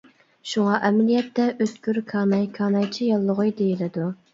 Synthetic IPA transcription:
ʃuŋɑʔɛmɪlijɛt̪ːɛʔøt̪kʲyɾkʰɑːnɑjkʰɑːnɑjt͡ʃʰijɑlˠːʊʁʊjd̪ejilɪd̪u

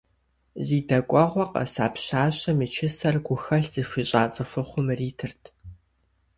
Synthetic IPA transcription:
ziːdɐkʷʼɔʁʷɔqʼɐ̰sa̰ːpɕaːɕɐmɨt͡ʃʰɪsɐrɡʷʊxɐɬz̥iːfʷiːɕʼaːt͡sʼɐfʷʊχʷʊmriːtʰɨrtʰ

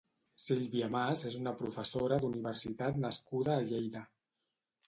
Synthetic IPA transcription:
siʎβiamazezunəpɾufəsoɾəd̪uniβ̞əɾsit̪at̪nəskuðəːʎejðə

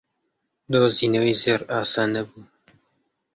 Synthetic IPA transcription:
d̪oːziːnɐwiːzeɾaːsaːnɐbuː

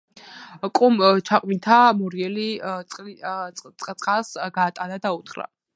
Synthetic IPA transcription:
kʼumt͡ʃʰaqʼmint̪ʰamɔɾiɛli | sʼqʼt̪sʼχasɡaːt̪ʼanad̪aut̪χɾa̰

